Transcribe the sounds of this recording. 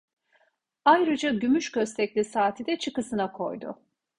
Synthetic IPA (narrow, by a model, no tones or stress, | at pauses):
ajɾɯd͡ʒaɟymyʃcʰøst̪ʰɛclʲisaːt̪ʰid̪ɛt͡ʃʰɯkɯsɯnakʰo̞̰jd̪ʊ̰